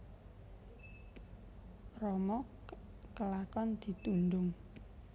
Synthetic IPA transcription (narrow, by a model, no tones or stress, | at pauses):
rɔmɔ | kəlakɔnd̪̥i̤t̪unɖʊŋ